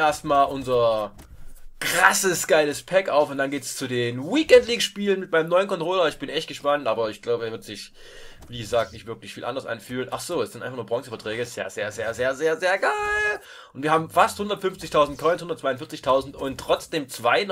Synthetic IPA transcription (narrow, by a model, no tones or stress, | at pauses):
eɐstmaːlʔʊnzɐ | kʁ̥asəsɡ̥aɪləspʰɛkʔaʊfʊntd̥anɡeːtst͡sudeːnwiːkɛndliːkʃpiːlənmɪt̚maɪnəmnɔʏənkʰɔntʁ̥oːlɐɪçb̥ɪnʔɛçt̚ɡ̥əʃpantʔaːbɐɪçɡ̥laʊbəɛːɐvɪɐtz̥ɪç | viːɡəzaːk̚tnɪçtv̥ɪɐklɪçfiːlʔa̰ndɐsʔa̰nfyːlnʔaχz̥oːɛsɪntaɪfaχnuːɐbʁɔŋsəfɐtʁ̥ɛːɡəssjaːzḛːɐzeːɐzeːɐzeːɐzeːɐɡaɪl | ʔʊntv̥iːɐaːbm̩fasthʊndɐtfʏnft͡sɪçtʰaʊzntkʰɔʏnshʊndɐtt͡sv̥aɪʊnfɪɐt͡sɪçtʰaʊzn̩tʊntːʁ̥ɔt͡sd̥eːmt͡sv̥aɪn